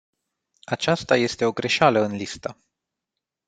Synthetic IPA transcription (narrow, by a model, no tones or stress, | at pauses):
at͡ʃast̪aje̞st̪e̞o̞ɡɾe̞ʃaləɨnlist̪a